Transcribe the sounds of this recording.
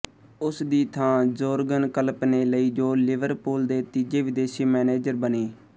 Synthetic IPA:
ʊsd̪iːt̪ʰãːd͡ʒoːɾɡənkəlpneːləiːd͡ʒoːlɪʋəɾpuːld̪eːt̪iːd͡ʒeːʋɪd̪eːʃiːmɛːneːd͡ʒəɾbəneː

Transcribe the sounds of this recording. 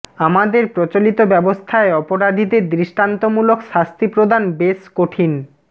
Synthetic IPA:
amad̪eɾpɾot͡ɕolit̪obɛbost̪ʰaeɔpoɾad̪ʱid̪eɾd̪ɾiʃʈant̪omulokʃast̪ʰipɾod̪anbeskoʈʰin

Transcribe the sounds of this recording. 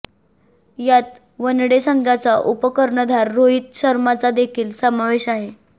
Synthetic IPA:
jat̪ | ʋənɽesəŋɡʱjat͡saʔupəkəɾɳəd̪ʱaɾːoit̪̚ɕəɾmat͡sad̪ekʰiːlsəmaʋeɕaɦe

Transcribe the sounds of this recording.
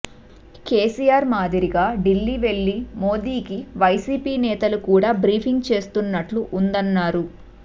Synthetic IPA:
keːsijaːɾmaːd̪iɾiɡaːɖilːiːʋe̞ɭːimo̞ːd̪iːkiʋɐjsiːpiːnɛːt̪ɐlukuːɽaːbɾiːpʰiŋɡt͡ʃe̞ːst̪unːɐʈluʔund̪ɐnːaːɾu

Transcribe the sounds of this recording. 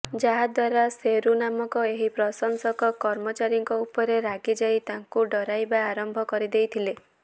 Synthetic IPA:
d͡ʒaɦad̪waɾaseɾunamɔŋkɔeɦipɾɔsɔŋsɔkɔkɔɾmɔt͡ʃaɾjɔŋkɔupɔɾeɾaɡid͡ʒajt̪aŋkuɖɔɾajbaːɾɔmbʱɔkɔɾid̪ejt̪ʰile

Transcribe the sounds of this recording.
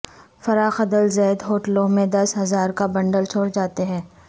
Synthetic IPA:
fɐɾaːxɐd̪əlzeːd̪ɦoːʈlõmẽd̪ɐsɦɐzaːɾkabɐ̃ɳɖəlt͡ʃʰoːɽd͡ʒaːt̪eɦɛ̃ː

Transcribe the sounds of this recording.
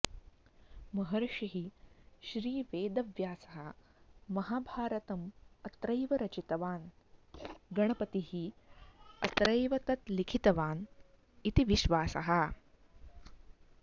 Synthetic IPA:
mɐɦɐɾɐʃiɦiʃɾiːʋeːd̪ɐʋjaːsɐɦɐ | mɐɦaːbʱaːɾɐt̪ɐmɐt̪ɾɐjʋɐɾɐt͡ʃit̪ɐʋaːn | ɡɐɳɐpɐt̪iɦi | ɐt̪ɾɐjʋɐt̪ɐt̪likʰit̪ɐʋaːn | it̪iʋiʃʋaːsɐ̰ɦɐ̆

